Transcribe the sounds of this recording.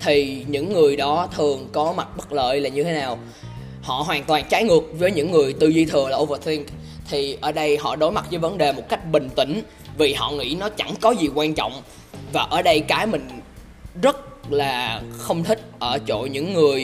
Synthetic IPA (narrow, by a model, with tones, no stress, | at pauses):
t̪ʰi˨˩ɲɨ̰˧˥ŋːɨ˨˩əjɗɔ˨˦t̪ʰɨ˨˩əŋkɔ˨˦ma˨˩t̚ɓə˦˥t̚lə̰ː˧˨jlaː˨˩ɲɨ˧t̪ʰe˨˦naː˨˩w | hɔ̰˧˨ɦwaː˨˩nt̪waː˨˩nt͡ɕaː˨˦jŋɨ˨˩ək̚vəː˨˦jɲɨ̰˧˥ŋːɨ˨˩əjt̪ɨ˨˩zi˧t̪ʰɨ˨˩əlaː˨˩ʔo˧vəː˧˩t̪ʰi˧ŋ | t̪ʰi˨˩ʔəː˧˩ɗə˧jhɔ̰˧˨ɗo˨˦jma˨˩t̚vəː˨˦jvə˨˦nɗe˨˩mo˨˩t̚ka˦˥jk̟̚ɓï˨˩ŋ̟t̪ḭ̈˧˩ŋ̟ | vi˨˩hɔ̰˧˨ŋḭ˧˥nɔ˨˦t͡ɕa˧˩ŋkɔ˨˦zi˨˩kwaː˧nt͡ɕɔ̰˧˨wŋ͡m | vaː˨˩ʔəː˧˩ɗə˧jkaː˨˦jmï˨˩ŋ̟ | zə˦˥t̚laː˨˩xə˧wŋ͡mt̪ʰï˦˥k̟̚ʔəː˧˩t͡ɕo̰˧˨ɲɨ̰˧˥ŋːɨ˨˩əj